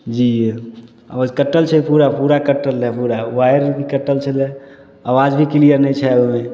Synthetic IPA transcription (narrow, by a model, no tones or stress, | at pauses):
d͡ʒi | a̰ʋad͡ʒkəʈːəlt͡ʃʰɛpuɾapuɾakəʈːəlɦɛpuɾawajɾbʱikəʈːəlt͡ʃʰəlɛ | awad͡ʒbʱikilijəɾnɛĩt͡ʃʰɛme